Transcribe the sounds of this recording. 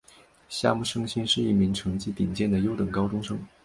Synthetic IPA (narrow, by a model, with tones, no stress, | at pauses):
ɕja̰˥˧mu˥˩ʂɤ˥ŋɕi˥nʂɻ̩˥˧i˥˩mi˧˥ŋʈ͡ʂʰɤ˧˥ŋt͡ɕi˥t̪i˨˩ŋt͡ɕjɛ˥˩nd̪ə˩jo˥ʊt̪ɤ˨˩ŋkɑ˥ʊʈ͡ʂʊ˥ŋʂɤ˥ŋ